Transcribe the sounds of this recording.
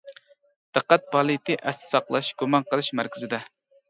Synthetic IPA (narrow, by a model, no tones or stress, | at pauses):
d̪̥ɨqːæt̪̚pʰɑlˠit̪ʰɨʔɛst̪ʰɪ̥sɑqlˠɑʃɡ̥umɑnqəlˠɨʃmæɾkʲɪzɪd̪ɛ